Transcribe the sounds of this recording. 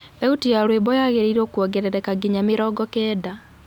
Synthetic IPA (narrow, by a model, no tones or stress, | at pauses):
ɛutijaɾweːbɔjaɣeɾiɾokwɔɡɛɾɛɾɛkaɡiɲameɾɔɡɔkɛːda